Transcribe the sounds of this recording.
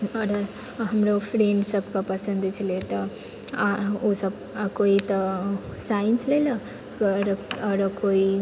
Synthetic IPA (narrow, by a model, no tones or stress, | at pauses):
ʌɾʌ | ɦəmɾopʰɾeɳɖsəbkapəsənd̪t͡ʃʰilet̪ʌ | osəb | koit̪ʌsainslelʌ | ɾɾəkoi